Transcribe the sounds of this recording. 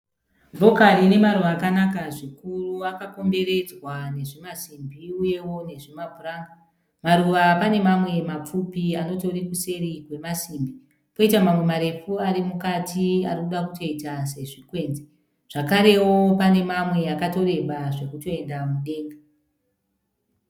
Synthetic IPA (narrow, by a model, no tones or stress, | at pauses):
vʱo̞karine̞maɾuʋaːkanakaʐikuruakako̞mbe̞ɾe̞d͡zwane̞ʐimasimbiuje̞wo̞ne̞ʐimabʱuraːŋɡa | maɾuʋapane̞mamwe̞map͡fupiano̞to̞ɾikuse̞ɾiɡwe̞masimbi | po̞itamamwe̞maɾe̞fuaɾimukatia̰rikuɗakuto̞itase̞ʐikwe̞nd͡ze | ʐ̥akaɾe̞wo̞pane̞mamwe̞akato̞ɾe̞ɓaʐe̞kuto̞e̞ndamuɗe̞ːŋɡa